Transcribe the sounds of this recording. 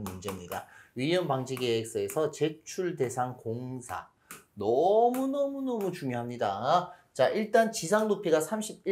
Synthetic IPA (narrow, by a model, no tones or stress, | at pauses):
nmund͡ʑe̞mɲida̰ɥijʌnpaŋd͡ʑʰiɡeːk̚s͈ɯe̞sʰʌt͡ɕe̞t͡ɕʰuɭde̞sʰaŋkoŋsʰa̰ | nʌmunʌmunʌmut͡ɕuŋjoɦamɲidat͡ɕaiɭt͈ant͡ɕisʰaŋnopʰiɡasʰamɕʰib̚i